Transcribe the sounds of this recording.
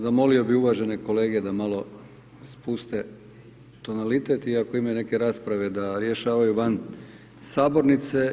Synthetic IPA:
zamo̞lio̞biuʋaʒe̞ne̞ko̞leːɡed̪amalo̞ | spust̪e̞ | t̪o̞nalit̪e̞t̪iako̞imane̞ke̞ɾaːspɾaʋe̞d̪aɾje̞ʃaːʋajuʋan | saːbo̞ɾnit̪se̞

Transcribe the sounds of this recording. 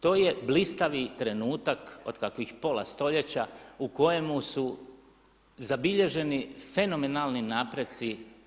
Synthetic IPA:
t̪o̞ːje̞blist̪aʋit̪ɾe̞nuːt̪ako̰d̪kakʋixpo̞lˠa̰st̪o̞ʎe̞t͡ɕauko̞je̞musu | zabiʎe̞ʒe̞nife̞no̞menalˠninaːpɾet̪si

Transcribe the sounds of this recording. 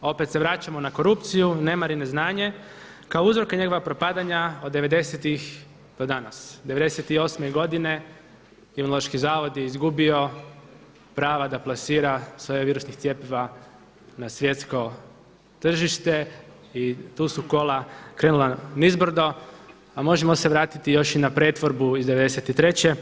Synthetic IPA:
o̞pe̞t̪seʋɾat͡ʃamo̞nako̞ɾupt̪sijune̞maɾineznaːɲe̞ | kaouzɾo̞keɲe̞ɡo̞ʋapɾo̞pad̪aɲaod̪ːe̞ʋe̞d̪e̞set̪ix | d̪̥o̞d̪anasd̪eʋe̞d̪eset̪io̞smeɡo̞d̪ine̞ | imunoloʃkizaːʋo̞d̪jeizɡubio̞ | pɾaːʋad̪aplˠasiːɾasʋo̞jeʋiːɾusnixt̪jepeʋa | nasʋje̞t̪sko̞ | t̪r̩ʒiʃt̪e̞ | it̪uːsuko̞lakɾenulanizbr̩d̪o̞ | amo̞ʒemo̞se̞ʋɾaːt̪it̪ijo̞ʃinapɾe̞ːt̪ʋo̞ɾbuizd̪e̞ʋe̞d̪e̞set̪it̪ɾe̞t͡ɕe̞

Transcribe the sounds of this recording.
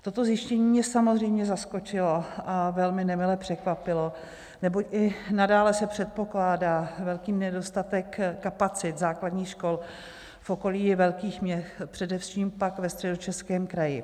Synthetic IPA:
t̪o̞t̪o̞zjɪʃcɛɲiːmɲɛsamo̞zrɛjmɲɛzasko̞t͡ʃɪlo̞ʔavɛlmɪnɛmɪlɛpr̥ɛkvapɪlo̞ | nɛbo̞cʔɪnadaːlɛsɛpr̝̥ɛt̪̚po̞klaːdaːvɛlkiːmnɛdo̞st̪at̪ɛkːapat͡sɪt̪zaːkladɲiːxʃko̞l | fʔo̞ko̞liːjɛvɛlkiːxmɲɛxpr̝̥ɛdɛfʃiːmpakvɛst̪r̥ɛdo̞t͡ʃɛskɛːmkɾajɪ

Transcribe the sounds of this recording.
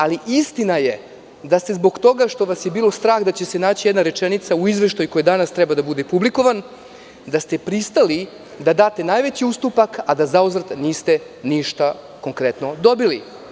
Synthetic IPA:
aliʔist̪inaje | d̪ast̪e̞zbo̞ɡt̪o̞ɡaʃt̪o̞ʋasje̞biːlo̞st̪ɾaːxd̪at͡ɕe̞se̞naːt͡ɕijed̪naɾe̞t͡ʂenit̪sauizʋe̞ʃt̪ajko̞jed̪anast̪ɾɛbad̪abud̪epubliko̞ʋan | d̪ast̪e̞pɾist̪ali | d̪ad̪aːt̪e̞naːjʋe̞t͡ɕiust̪upakad̪azauzɾat̪aniːst̪e̞ | niʃt̪a | ko̞ŋkɾet̪no̞d̪o̞bili

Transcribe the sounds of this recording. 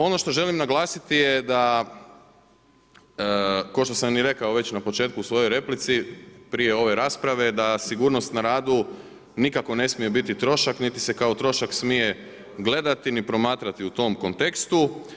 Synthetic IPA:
o̞no̞ʃt̪o̞ʒe̞limnaɡlˠaːsit̪ijed̪a | kaʃt̪o̞samniɾe̞kaoʋe̞t͡ɕnapo̞t͡ʃe̞ːt̪̚kusʋo̞jojɾe̞plit̪sipɾije̞o̞ʋe̞ɾaːspɾaʋe̞d̪asiɡuːɾno̞st̪naɾaːd̪u | nikako̞ne̞smije̞bit̪it̪ɾo̞ʃaknit̪i̥se̞kaot̪ɾo̞ʃaksmije̞ | ɡle̞d̪at̪inipɾo̞maːt̪ɾat̪iut̪o̞mko̞nt̪e̞kst̪u

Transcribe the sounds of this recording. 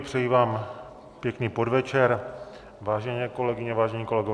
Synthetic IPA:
pr̥ɛjiːvaːm | pjɛkniːpo̞dvɛt͡ʃɛɾ | vaːʒɛɲɛːko̞lɛɡɪɲɛvaːʒɛɲiːko̞lɛɡov

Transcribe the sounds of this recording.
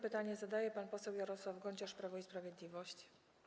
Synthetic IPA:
pɘt̪aɲɛzad̪ajɛpanpɔsɛwjaɾɔswavɡɔɲt͡ɕaspɾavɔispɾavʲjed̪lʲivɔɕt͡ɕ

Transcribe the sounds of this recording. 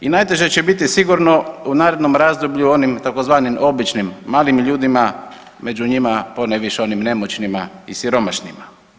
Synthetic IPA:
inajt̪e̞ʒet͡ɕebit̪isiɡuɾno̞unaːɾed̪no̞mɾazd̪obʎuo̞nimt̪ako̞zʋaːnimʔo̞bit͡ʃnimːaːlimʎuːd̪ima | me̞d͡ʑuɲimaponeʋiʃeo̞nimne̞mot͡ɕnimaisiɾo̞maʃnima

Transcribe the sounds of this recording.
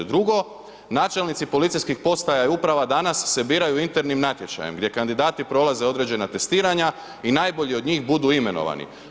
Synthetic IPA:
d̪ɾuɡo̞ | naːt͡ʃe̞lnit̪sipo̞lit̪sijskixpo̞st̪ajaiupɾaʋad̪anasːe̞biːɾajuint̪e̞ɾnimnat̪je̞t͡ʃa̰jemɡd̪je̞kand̪id̪aːt̪ipɾo̞lˠaze̞o̞d̪ɾe̞d͡ʑe̞nat̪e̞st̪iːɾaɲa | inaːjbo̞ʎio̞d̪ɲiːxbud̪uːime̞no̞̰ʋa̰nḭ

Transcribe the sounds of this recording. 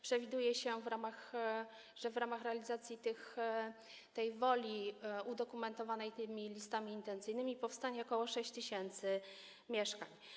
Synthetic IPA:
pʂɛvʲid̪ujɛɕɛvɾamax | ʐɛvɾamaxɾɛalʲizat̪sʲjit̪ɘx | t̪ɛjvɔlʲiud̪ɔkumɛnt̪ɔvanɛjt̪ɘmʲilʲist̪amʲiːnt̪ɛnt̪sɘjnɘmʲipɔfst̪aɲɛɔkɔwɔʂɛɕt͡ɕt̪ɘɕɛnt̪sɘ | mʲjɛʂkaɲ

